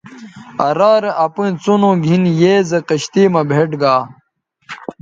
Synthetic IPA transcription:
ɐɾaːɾeʔɐpũt͡sonõːɡʱinjeːzɐqɐɕt̪iːmɐbʱeːʈɡaː

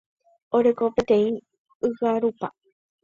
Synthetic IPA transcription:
oɾe̞kopet̪ẽ̞ĩ | ɨɣaɾupa

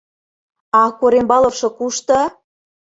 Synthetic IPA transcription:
ɑkoɾembɑlɤ̆fʃɤ̆kuʃt̪ɤ̆

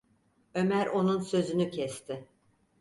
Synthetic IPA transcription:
ø̞mæɾʔo̞nunsø̞zynycʰɛst̪ʰɪ

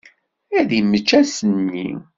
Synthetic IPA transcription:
æðimət͡ʃːæsənːḭ

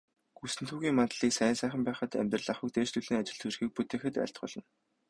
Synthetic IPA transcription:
ɡ̥usɘ̆nt̪ʰuːɣʲiːŋmat̪ɮiːksæːnsæːχʲə̆mpæːχə̆t̪æ̰mʲt̪rə̆ɮaχə̆k̚t̪eːʃt̪uɮiːŋat͡ɕɪ̆ɮt̪ʰɵrxiːk̚put̪ʰeːxɘ̆t̪æ̰ɬt̪ɢʊ̰ɮɞ̆n

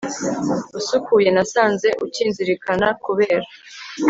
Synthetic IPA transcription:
usukʰuːje̞nasaːnze̞ʔuciːnziɾikʰanakuβeːɾa

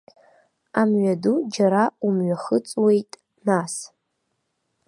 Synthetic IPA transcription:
amɥadud͡ʒaɾaumɥaχət͡sʼwe̞jtʼ | nas

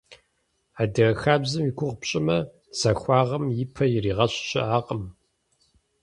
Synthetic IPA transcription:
aːdɐxaːbzɨmjɪkʷʰʊʁpɕʼɪmɐ | z̥ɐxʷɑːʁɐmjɪpʰɐjɪriːʁɐɕɕɪʔaːqəm

